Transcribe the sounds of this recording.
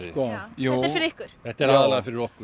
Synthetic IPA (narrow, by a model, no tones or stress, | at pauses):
kɔjuːɾfɪɾɪɾɪhkʏɾ̥θɛht̪ɛɾaðaɾlɛːɣafɪɾɪɾɔhkʏ